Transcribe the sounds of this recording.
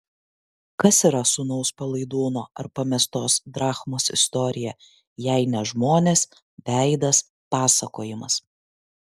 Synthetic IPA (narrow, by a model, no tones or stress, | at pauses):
kɐsiɾɐsʊnɐʊspɐlˠɐɪd̪uːnoːɐɾpɐmʲɛst̪oːsd̪ɾɑːxmoːsɪ̰st̪ɔɾʲɪjɛ | jɛɪnʲɛʒmoːnʲeːs | bʲæˑɪd̪ɐs | pɑːsɐkoːjɪmɐs